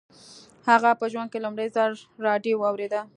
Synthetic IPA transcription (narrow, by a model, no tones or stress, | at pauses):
haɣapəʒwand̪̚kelʊmɽəjzəɾːɑɖjowɑwɾed̪a